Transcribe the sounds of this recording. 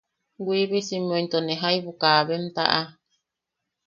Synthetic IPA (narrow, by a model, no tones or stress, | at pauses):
ɡʷiβisimõjnt̪oneɦaiβukaβemt̪a̰ʔa